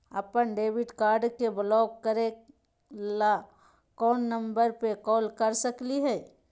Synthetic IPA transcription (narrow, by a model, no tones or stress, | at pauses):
ə̰pənɖeːbɪɖkaːɾɖkeblɔːɡkəɾe | la | kɔːnːə̃mbəɾpekɔːlkəɾsəkliɦɛː